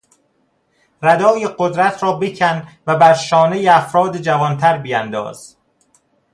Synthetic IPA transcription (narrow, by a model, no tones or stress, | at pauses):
ræd̪ɒːjeɢod̪ɾæt̪ʰɾɒːbecʰænvæbæɾʃɒːnejeæfɾɒːd̪ed͡ʒævɒnt̪ʰæɾbijænd̪ɒ̰ːz̥